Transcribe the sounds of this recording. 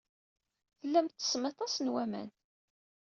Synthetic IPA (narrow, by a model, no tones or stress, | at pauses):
θəlːæmt̪ːə̥smet̪ˤɑsnwæmæ̰n